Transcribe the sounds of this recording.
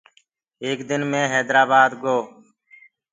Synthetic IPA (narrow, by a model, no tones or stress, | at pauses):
eːkd̪ɪnmẽːɦɛːd̪ɾaːbaːd̪ɡoː